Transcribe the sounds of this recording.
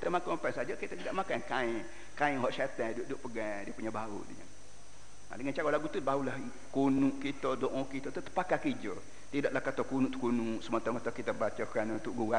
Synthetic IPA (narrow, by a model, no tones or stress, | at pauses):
kit̪əmakapansad͡ʒəkit̪at̪idaʔmakankaiŋ | kaɪŋɦɔʔʃat̪ɛduʔduʔpəɡadiəpuɲabaṵʔdiɲə̰ | a̰dəŋant͡ʃaɣaʔlaɡut̪unbaulah | kunuʔkit̪ədoʔɔ̃kit̪ot̪ut̪ə̥pakakid͡ʒə | t̪idaʔlahkat̪okunuʔt̪u̥kunuʔsəmət̪aŋkat̪akit̪əbat͡ʃəkanunt̪ʊʔɡua